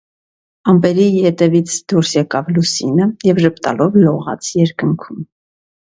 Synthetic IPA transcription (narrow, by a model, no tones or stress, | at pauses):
ɑmpɛɾijɛt̪ɛvit͡sʰd̪uɾsjɛkɑvlusinəjɛvʒəpt̪ɑ̰lɔvlɔʁɑ̰t͡sʰjɛɾkəŋkʰum